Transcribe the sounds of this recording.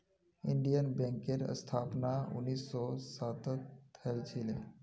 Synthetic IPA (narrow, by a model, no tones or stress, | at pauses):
ɪɳɖijənbɛ̃ːŋkeɾə̰st̪ʰaːpnaʊ̰nːiːsːɔsaːt̪ət̪ʰːəlt͡ʃʰile